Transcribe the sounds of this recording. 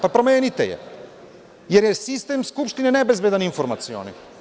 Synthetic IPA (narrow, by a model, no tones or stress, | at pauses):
papɾɔmɛnit̪ɛ̰jɛ̰ | jɛɾjɛsist̪ɛmskupʃt̪inɛnɛbɛzbɛd̪ɛniɱfoɾmat̪siɔ̰nḭ